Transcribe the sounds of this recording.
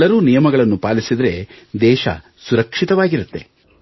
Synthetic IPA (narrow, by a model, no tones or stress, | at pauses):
lːɐɾuːnijɐmɐɡɐɭɐnːupaːlisid̪ɐɾe̞̰d̪ɛːʃɐ̰ | suɾɐkʂit̪ɐʋaːɡiɾut̪ːe̞